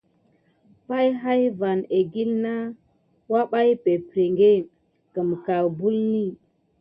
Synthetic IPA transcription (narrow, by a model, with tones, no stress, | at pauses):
pa˦jɦa˦jva˨ne˨ɡi˦lna˦ | wa˦ɓa˦jpe˨pɾe˨ŋɡe˦˨ | kə˨mka˨lbu˦lni˦˨